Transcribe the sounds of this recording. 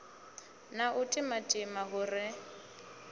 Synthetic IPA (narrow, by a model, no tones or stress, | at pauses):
naʔʊtʼɪmatʼɪmaɦʊrɪ